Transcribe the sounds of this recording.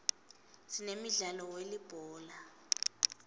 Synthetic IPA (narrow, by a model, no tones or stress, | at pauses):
sinemiɮalɔwelib̥ʱɔːla